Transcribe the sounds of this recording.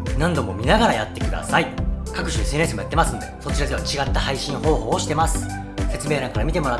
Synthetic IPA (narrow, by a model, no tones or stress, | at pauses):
nãnd̪o̞mo̞mʲinaɡaɾajat̪ːe̞kɯd̪a̰saikakɯ̟̥ɕɨesẽes̬ɨmojat̪ːe̞masɨ̃no̞d̪e̞so̞t͡ɕiɾad̪e̞βat͡ɕiɡat̪ːahaiɕĩɰ̃ho̞ːho̞ːoɕi̥t̪e̞masɨ̥ | se̞t͡sɨme̞ːɾãŋkaɾamʲit̪e̞mo̞ɾa